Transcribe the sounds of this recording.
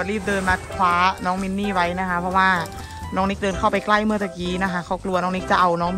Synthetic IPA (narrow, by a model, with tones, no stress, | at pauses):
ɾiː˥˩p̚dɤː˧nma˦˥t̪̚kʰwaː˨˦˥nɔː˦˥ŋmi˧˥nːiː˥˩wa˦˥jna˦˥kʰa˦˥pʰɔ˧˥waː˥˩ | nɔː˦˥ŋni˦˥k̚dɤː˧nkʰa˥˩wpa˧jkla˥˩jmɯ˥˩t̪a˨˩k̚iː˨˦na˦˥kʰa˦˥kʰa˦˥˩wklu˧ɐnɔː˦˥ŋniː˦˥k̚t͡ɕa˨˩ʔa˧wnɔː˦˥ŋ